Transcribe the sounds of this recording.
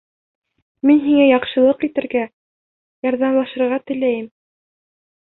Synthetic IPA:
minɦiŋæjɑqʃɤ̆lˠɤqit̪ɘ̆ɾɡæ | jɑɾðɑmlˠɑʃɤ̆ɾʁɑt̪ɘ̆læjɘm

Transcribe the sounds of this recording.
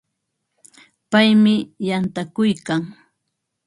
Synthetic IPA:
pajmɪjant̪akʊjkaŋ

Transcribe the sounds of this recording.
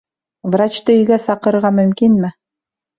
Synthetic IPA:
vrat͡ɕt̪ɤɵ̆jɡæsɑqɤ̆ɾʁɑmɵ̆mkinmɘ

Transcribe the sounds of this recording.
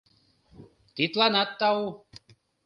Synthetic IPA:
t̪it̪lanat̪ːau

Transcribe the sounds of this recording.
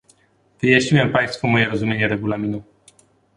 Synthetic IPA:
vɨjaɕɲiwɛmpaj̃st̪fumɔjɛɾɔzumʲjeɲɛɾɛɡulamʲinu

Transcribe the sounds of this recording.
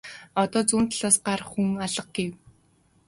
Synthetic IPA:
ɔt̪ɔːt͡suːnt̪ɮaːsɢarχxuŋaɮə̆q̚ɡ̥ew

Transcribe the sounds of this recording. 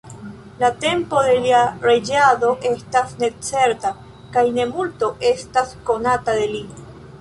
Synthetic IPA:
late̞mpo̞ðe̞liaɾed͡ʒaðo̞ʔe̞stasne̞t͡se̞ɾta | kajne̞multo̞ʔe̞stasko̞nataðe̞li

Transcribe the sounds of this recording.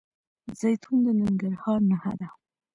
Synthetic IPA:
z̥ajt̪ʰund̪ənɪŋɡaɾhɑɾnaha̰d̪a

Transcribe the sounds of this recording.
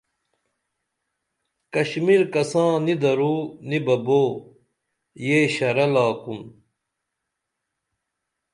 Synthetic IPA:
kɐɕmilkɐsãːnid̪ɐɾuːnibɐboː | jeːɕɐɾɐlaːkun

